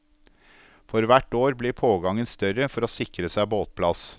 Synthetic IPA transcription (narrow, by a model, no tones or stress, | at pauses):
fɔɾʋæʈoːɾbliːɾpʰoːɡɑŋənst̪œɾəfɔɾoːsɪkɾəsæɪboːt̪̚pʰlɑs